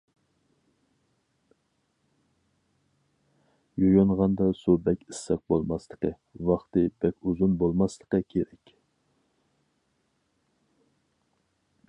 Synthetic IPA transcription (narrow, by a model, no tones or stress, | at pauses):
jojonʁɑnd̪ɑsubɛkʲisːɛq̚bolˠmɑslˠəqə̰ | vɑχt̪ɨb̥ɛkʲuzunbolˠmɑslˠəqəkʲʰeɾɛkʲ